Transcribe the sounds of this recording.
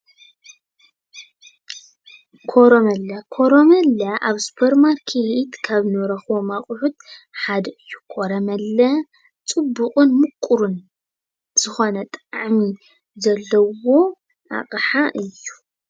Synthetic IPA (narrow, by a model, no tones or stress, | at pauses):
kʰoɾomɐlːɐkʰoɾomɐlːɐʔaβsu̥pʰɐɾmaɾkʰeit̪kʰaβnɨwɾɐxwomaχʼʊħut̪ħad̪ɐɨjːu̥kʰoɾɐmɐlːɐ | t͡sʼɨbːuqʼunmɨkʼːuɾun | z̥ɨxo̞nɐt̪ʼaʕmi | zɐlːɐwo̞ | a̰χʼɨħaʔɨjːu